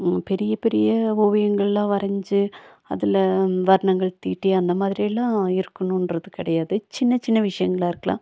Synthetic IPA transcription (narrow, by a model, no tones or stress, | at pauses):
pɛɾɪjɐpɛɾɪjɐoːʋɐjɐŋɡɐɭlãːʋɐɾɐɲd͡ʒɯ | ɐ̰ðɪlʋɐɾɐɳɐŋɡɐɭt̪iːʈːiɐnd̪ɐmaːðɪɾijɐlːãːɪɾɯkːɐɳũnrɐðɯkɪɽɐjaːðɯt͡ʃɪnːɐt͡ʃɪnːɐʋɪʂɐjɐŋɡɐɭaːɪɾɯkːɐɭã̰ː